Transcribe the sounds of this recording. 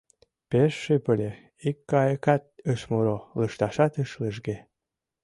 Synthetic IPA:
peʃːypəlʲe | ikːɑjəkɑt̪̚əʃmuɾoləʃt̪ɑʃɑt̪əʃləʒ̬ɡe

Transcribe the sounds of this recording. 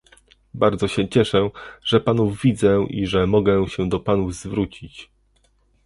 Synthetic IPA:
baɾd̪zɔɕɛt͡ɕɛʂɛʐ̥ɛpanuvvʲid̪zɛʔḭʐɛmɔɡɛɕɛd̪ɔpanuvzvɾut͡ɕit͡ɕ

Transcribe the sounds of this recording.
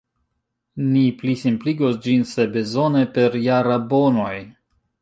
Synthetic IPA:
niplisimpliɡosd͡ʒinse̞bezo̞nepe̞ɾjaɾabono̞j

